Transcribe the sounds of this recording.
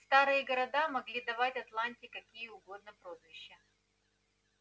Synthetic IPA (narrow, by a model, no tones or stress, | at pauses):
st̪aɾɨjəɡəɾɐd̪amɐɡlʲid̪ɐvatʲɐt̪lˠanʲtʲɪkɐkʲijəʊɡo̞d̪̚nəpɾo̞zvʲɪɕːə